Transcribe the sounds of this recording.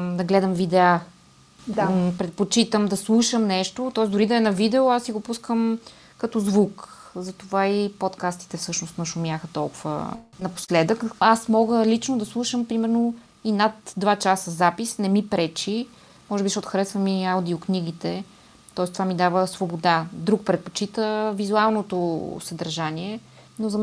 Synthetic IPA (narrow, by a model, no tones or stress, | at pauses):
d̪ɐɡlɛd̪əmvid̪ɛa | d̪pɾɛt̪̚pot͡ʃit̪əmd̪ɐslˠuʃəmnɛʃt̪ot̪ɔɛzd̪ʊɾid̪ɐɛnɐvid̪ɛoasiɡopuskəm | kɐt̪ɔzvukzɐt̪ovaipot̪kast̪i̥t̪ɛfsɤʃnost̪nɐʃʊmʲjaxət̪ɔlˠkuvə̰nɐpo̥slɛd̪əkasmɔɡəlit͡ʃnod̪ɐslˠuʃəmpɾimɛɾno | inat̪d̪vat͡ʃasəzapisnɛmipɾɛt͡ʃi | mɔʒɛbiʃɔot̪ʊ̥xɾɛsvəmiaʊd̪iokniɡit̪ɛ | t̪ɔɛst̪ovamid̪avəsvobod̪ad̪ɾuk̚pɾɛt̪̚po̥t͡ʃit̪əvizualˠnot̪osɐd̪əɾʒaniɛ | nozɐ